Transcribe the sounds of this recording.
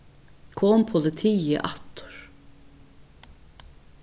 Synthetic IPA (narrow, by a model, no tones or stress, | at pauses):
kʰɔːmpʰʊlɪt̪ʰiːə̰ʔɑt̪ʊ̥ɹ̥